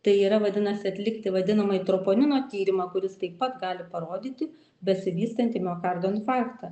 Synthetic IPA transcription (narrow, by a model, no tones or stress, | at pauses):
t̪ɐɪiːɾɐʋɐd̪ʲɪnɐsʲɪɐt̪ʲlʲɪkt̪ʲɪʋɐd̪ʲɪnɐmɐɪt̪ɾopoːnʲɪnoːt̪ʲiːɾʲɪmɑkʊɾʲɪst̪ɐɪppːɐt̪ɡɑːlʲɪpɐɾoːd̪ʲiːt̪ʲɪ | bʲɛsʲɪʋʲiːst̪ɐnt̪ʲɪmʲoːkɑrd̪oːnfɑːɾkt̪ɐ